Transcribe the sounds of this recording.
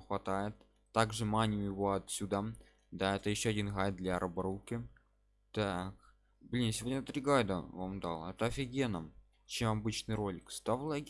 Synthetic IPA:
xvat̪ajɪt̪ː | aɡʐɨmanʲɪmʲɪvoat̪sʲud̪a | d̪aɛt̪əjiɕːoadʲinɣaj̪̚d̪lʲaɾʔəbəɾukʲɪ | t̪ak | blʲinsʲɪvodʲnʲət̪ɾʲiɡajd̪ə̰vamd̪ɑ̰lˠɛt̪əɐfʲiɡʲenəm | t͡ɕemabɨt͡ɕnɨjrolʲɪkst̪avlˠaɡʲ

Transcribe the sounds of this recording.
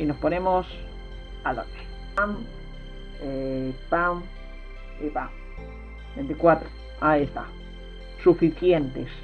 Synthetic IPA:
inosponemos | alo̰t͡ʃo̥ | am | epaŋ | ipaŋ | bent̪ikwat̪ɾo | aiest̪a̰ | sufiθjent̪es

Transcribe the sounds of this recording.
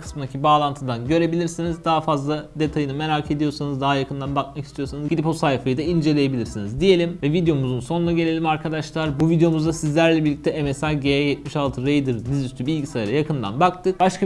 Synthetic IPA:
kʰɯ̥smɯnd̪acʰibaːlˠant̪ʰɯnd̪anɟø̞ɾe̞bilʲiɾsinizd̪aɦafazlˠad̪e̞t̪ʰajɯnɯme̞ɾaːkʰe̞d̪ijo̞ɾsanɯzd̪aɦajakʰɯnd̪anbak̚macʰi̥st̪ʰijo̞ɾsanɯzɟid̪iposajfajɯd̪aind͡ʒe̞lʲe̞je̞bilʲiɾsinizd̪ije̞lʲimvɛvid̪ejo̞muzunso̞nunaɟe̞lʲe̞lʲimaɾkʰad̪aʃlˠaɾbuvid̪ejo̞muzd̪asizlʲæɾlʲɛbiɾlʲːic̚t̪ʰɛemesaɟeajɛt̪miʃalˠt̪ʰɯɾejd̪ɯɾd̪izyst̪ʰybilʲɟisajɾajakʰɯnd̪a̰nbakt̪ʰɯk̚baʃkʰa

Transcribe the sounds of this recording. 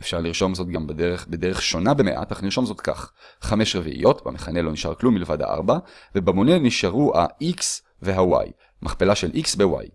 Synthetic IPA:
ʔefʃaʁliʁʃo̞mzo̞t̚ɡambedeʁeχbedeʁeχʃo̞nabe̞meʔa̰taχniʁʃo̞mzo̞tka̰χχame̞ʃʁevḭʔḭjo̞tba̰meχane̞lo̞niʃa̰ʁklumːilevadha̰ʔa̰ʁbave̞bamoneniʃaʁuha̰iks | ve̞ɦawa̰j | mʔaχpelaʃe̞lʔiksbewa̰j

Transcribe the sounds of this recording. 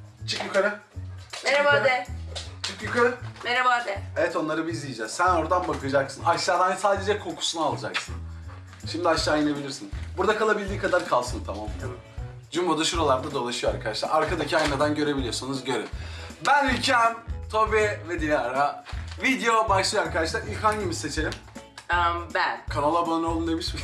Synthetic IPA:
t͡ʃʰɯkjukaɾɯ | eɾaad̪ | t͡ʃʰɯkjykʰaɾɯneɾabad̪evɛt̪o̞nlˠaɾɯbizd̪ʲijid͡ʒɛz̥sæno̞ɾd̪anbakʰɯd͡ʒaksɯnaʃlad̪ansaːd̪e̞d͡ʒɛkʰo̞kʰu̥sunaalˠad͡ʒaksɯn | ʃimd̪iaʃlˠaajɯnabilʲiɾsinbuɾd̪akʰalˠabilʲd̪iːkʰad̪aɾkʰalˠsɯnt̪ʰamam | d͡ʒymbod̪aʃuɾolˠaɾd̪ad̪o̞lˠaʃɯjoaɾkʰad̪aʃlˠa̰ɾaɾkʰad̪acʰiajnad̪anɟø̞ɾe̞bilʲijo̞sanuzɟøɾimbænylʲcʰænt̪ʰobɛvɛd̪ijaɾavid̪ejo̞baʃlˠɯjoaɾkad̪aʃlˠaɾilʲkhaɲɟimizse̞t͡ʃʰe̞lʲim | bænkʰanalˠabanolˠumd̪emiʃmi

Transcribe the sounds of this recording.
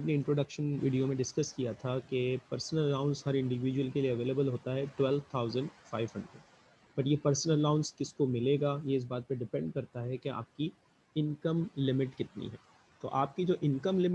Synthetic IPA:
pneɪ̃ɳʈɾoːɖɐkʃənʋḭːɖijomẽɖɪskɐskijat̪ʰakepɐɾsənəlɐnaːʊ̃nshɐɾɪ̃ɳɖɪʋɪd͡ʒuwəlkelieɐʋeːlebəlɦoːt̪aɦɛʈwɛlʋt̪ʰaːʊzə̃ɳɖfaːɪʋɦɐ̰̃ɳɖɾḛʈ | b̥ɐʈjepɐɾsənəlɐnãːʊ̃nskɪskomɪleːɡaːjeɪs̬baːt̪̚pɐɾɖɪpɛ̃ɳɖ̚kɐɾt̪aɦɛkea̰ːp̚ki | ɪ̃nkəmlɪmɪʈkɪt̪nḭɦɛ̰ː | t̪o̰ʔaːp̚kid͡ʒoːʔɪ̃nkəmlɪm

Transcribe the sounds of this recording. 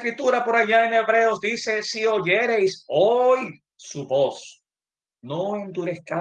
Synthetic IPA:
kɾit̪uɾapo̞ɾaʝaeneβɾeozd̪ise̞sio̞ʝeɾejsoj | suβo̞s | noend̪uɾeθka

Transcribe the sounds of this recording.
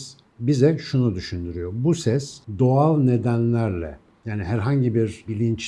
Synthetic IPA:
s | bizɛʃunud̪yʃynd̪yɾyjo̞busɛsd̪o̞alˠne̞d̪ænlʲæɾlʲɛ̰ | jaːniɦæɾɦaɲɟibiɾbilʲint͡ʃ

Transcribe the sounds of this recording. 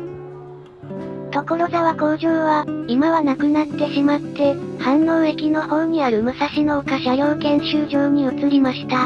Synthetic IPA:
t̪o̞ko̞ɾo̞zaβako̞ːʑoːβaimaβanakɯ̟nat̪ːe̞ɕimat̪ːe̞hãnːo̞ːe̞kʲino̞ho̞ːɲ̟iaɾɯ̟mɯ̟saɕino̞ːkaɕajo̞ːkẽ̞ɰ̃ɕɨːʑo̞ːɲ̟iɯt͡sɨɾʲimaɕi̥t̪a

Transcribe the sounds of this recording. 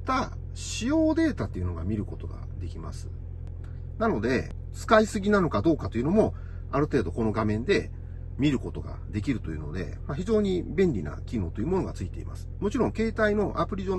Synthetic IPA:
t̪a | ɕijo̞ːd̪e̞ːt̪at̪ːe̞iɯ̟no̞ɡa̰mʲiɾɯ̟ko̞t̪o̞ɡa̰d̪e̞kʲimasɨ̥̰ | nano̞d̪e̞̰ | t͡sɨ̥kaisɨɡʲinano̞kad̪o̞ːkat̪o̞iɯ̟no̞mo̞ | aɾɯ̟t̪e̞ːd̪o̞ko̞no̞ɡamẽ̞nd̪e̞ | mʲiɾɯ̟ko̞t̪o̞ɡa̰d̪e̞kʲiɾɯ̟t̪o̞jɯ̟no̞̰d̪e̞̰maçiʑo̞ːɲ̟ibẽ̞ɲʲɾʲina̰kʲino̞ːt̪o̞jɯ̟mo̞no̞ɡat͡sɨit̪e̞̰ḭmʔa̰sɨ̥mo̞t͡ɕiɾõ̞ŋke̞ːt̪aino̞ʔapɯ̟ɾʲiʑo̞

